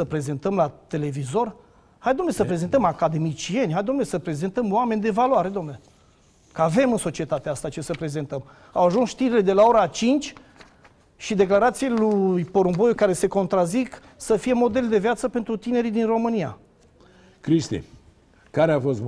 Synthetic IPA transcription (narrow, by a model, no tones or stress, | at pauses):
səpɾe̞ze̞nt̪əmlat̪e̞le̞vizo̞r | hajd̪omnesəpɾe̞ze̞nt̪əmakad̪e̞mit͡ʃie̞nʲhajd̪omnesəpɾe̞ze̞nt̪əmoame̞nʲd̪e̞valoaɾe̞d̪omne | kəave̞mɨnso̞t͡ʃie̞t̪at̪east̪at͡ʃe̞səpɾe̞ze̞nt̪əm | awaʒunsʃt̪iɾile̞d̪e̞lao̞ɾat͡ʃint͡ʃʲ | ʃid̪e̞klaɾat̪sielujpo̞ɾumbo̞jukaɾe̞se̞ko̞nt̪ɾazik | səfije̞mo̞d̪e̞ld̪e̞vjat̪səpe̞nt̪ɾut̪ine̞ɾid̪inro̞mɨnia̰ | kɾist̪ḭ | kaɾeafost̪